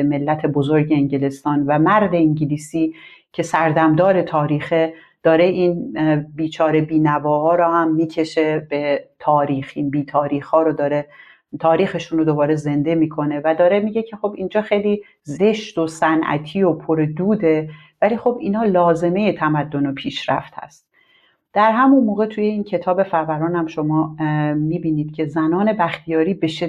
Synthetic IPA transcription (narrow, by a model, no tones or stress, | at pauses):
me̞lːæt̪ʰe̞bo̞zoɾɟeeɲɟele̞st̪ɒːnvæmæɾd̪e̞iɲɟiliːsiːcʰe̞sæɾd̪æmd̪ɒːɾe̞t̪ʰɒːɾiːxe | d̪̥ɒːɾe̞ʔiːnbiːt͡ʃʰɒːɾe̞biːnævɒːhɒːɾohæmːiːcʰe̞ʃe̞b̥e̞t̪ʰɒːɾiːxinbiːt̪ʰɒːɾiːxhɒːɾod̪ɒːɾe̞ | t̪ʰɒːɾiːxe̞ʃunɾod̪o̞bɒːɾe̞ze̞nd̪e̞miːkʰo̞ne̞væd̪ɒːɾemiːɟe̞cʰe̞xo̞bind͡ʒɒːxe̞jliː | ze̞ʃt̪osænʔæ̰t̪ʰiːopʰoɾed̪uːd̪e̞ | væliːxo̞biːnhɒːlɒːze̞me̞je̞t̪ʰæmæd̪ːo̞nopʰiːʃɾæ̰ft̪hæ̰st̪̚ | d̪̥æɾɦæmunmoːɣe̞t̪ʰuːje̞iːncʰe̞t̪ʰɒːbe̞fæɾvæɾɒːnæmʃo̞mɒːmiːbiːniːd̪̥̚cʰe̞zænɒːne̞bæxt̪ʰijɒːɾiːbeʃe